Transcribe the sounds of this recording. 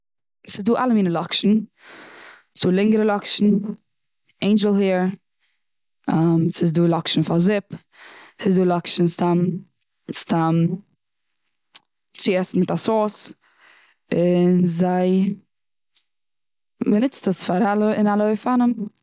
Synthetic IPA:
sɪzduːʔalˠəmiːnəlˠɔkʃn̩ | sɪ̥duːlˠɪŋɡəɾəlˠɔkʃn̩ | eɪnd͡ʒəl̩ˠhiːɾ | amsɪz̬duːlˠɔkʃn̩fazɪp | sɪzduːlˠɔkʃn̩stʰam | stʰam | t͡sɪɛsn̩mɪtasɔːs | ɪnzaɪ | mənɪt͡stəsfaɾalˠəɪnalˠoɪfanəm

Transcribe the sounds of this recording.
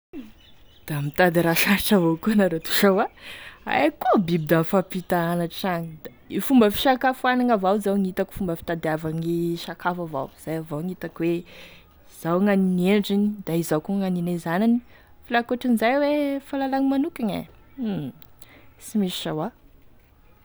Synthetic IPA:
d̪̥amit̪ad̪iɾaʃaɾiʈ͡ʂavokuanaɾot̪u̥ʃawaa̰jkubibid̪amfapit̪aanaʈ͡ʂanid̪a | ifumbəfi̥ʃakafuanaŋavawzawŋit̪aku̥fumbəfi̥t̪ad̪eavaŋiʃakʰafava̰wz̥ajavawŋit̪akuwe | iz̥awŋanineɳɖ͡ʐinid̪aizawkuŋaninezananifilakuaʈ͡ʂinizajwefalalaŋimanukaŋḛ | simiʃi̥ʃawa

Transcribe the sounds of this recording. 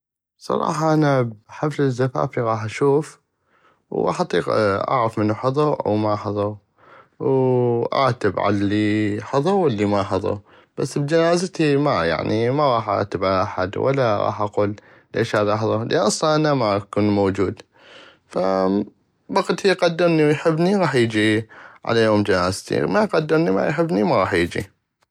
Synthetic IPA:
sˤɑ̰ɾˤɑ̰ːħɑʔanabħaflzːafa̰ːfiɣɑːħʔaʃuːf | wɣɑ̰ːħʔɑt̪ˤiːqʔa̰ʕɾɑfmɪnːuħɑðˤɑwmaħɑðˤɑ | wʔa̰ʕt̪ɪbʕa̰lːiħɑðˤɑwɪlːimaħɑðˤɑ̰ | b̥asːbd͡ʒɪnaːzt̪imaja̰ʕnimaɣˤɑːħʔa̰ʕt̪ɪbaʔaħad̪wa̰lːaɣɑ̰ːħʔaquːl | leːʃhaːðaʔħðˤɑɾlɪʔanɑsˤːɑʔanamakuːnmoːd͡ʒuːd̪ | fa | bɑqt̪hiːqad̪ːɪɾˤniwjħɪbːniɣɑːħjɪd͡ʒiʕa̰lajoːmd͡ʒanaːzt̪ḭmajqad̪ːɪɾnima̰jħɪbːnimaɣˤɑːħjɪd͡ʒḭ

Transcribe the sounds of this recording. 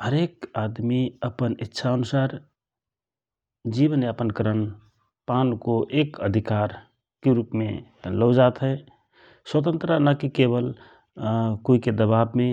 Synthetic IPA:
həɾekad̪miəpənitːʃʰaənusaɾ | d͡ʒibəneəpənkəɾən | pankoʔekəd̪ʱikaɾ | keɾuːpmḛ̃ | ləːd͡ʒat̪ɦɛ | swət̪ə̃nt̪ɾənakikeβəl | koiked̪əβabmẽ

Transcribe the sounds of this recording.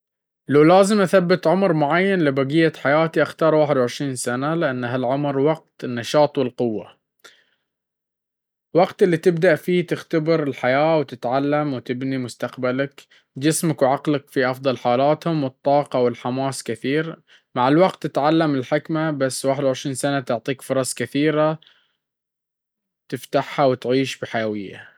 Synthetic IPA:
lawlaːzɪmʔaθabːɪt̪ʕʊmɾmʊʕajːanlɪbaɡɪjːaħajaːt̪iʔaxt̪ɑːɾˤwaːħɪd̪wʕɪʃɾiːnsanalɪʔanːɦalʕʊmɾwaq̚t̪ɪnːɑʃɑːt̪ˤwɪlqʊwːa̰ | waɡt̪ɪlːit̪ɪbd̪aʔfiːt̪ɪxt̪abɪɾɪlħajaːwt̪ɪt̪ʕalːamwt̪ɪbnimʊst̪aqbalak | d͡ʒɪsmakwʕɑqlakfiʔɑfd̪ˤɑlħaːlaːt̪hʊmwɨt̪ˤːɑːqɑwɪlħamaːskɪθiːɾ | maʕɪlwaɡ̚t̪ːɪt̪ʕalːamɪlħɪkmabasːwaːħɪd̪wʊʕɪʃɾiːnsanat̪ʊʕt̪ˤiːkfʊɾˤɑsˤkɪθiːɾa | t̪ɪft̪aħhawɪt̪ʕiːʃbɪħajawɪjːa̰

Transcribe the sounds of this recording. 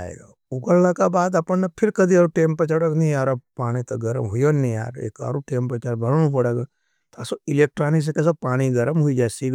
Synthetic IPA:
aḛɡa̰ː | ʊɡəɾlakabaːd̪ɐpənːɐpʰɪɾkɐd̪ʱiaɾoʈẽːmpɐt͡ʃɐɽəknĩjaːɾɐpaːɽ̃it̪oɡɐɾəmɦʊjonːĩja̰ːɾḛːka̰ːɾuʈeːmpɐt͡ʃaːɾbʱɐɾonũpɐɽəɡ | t̪asoɪleːk̚ʈɾaːnɪks̬ekɐs̬apaːɽ̃iɡɐɾəmɦuid͡ʒaːsi

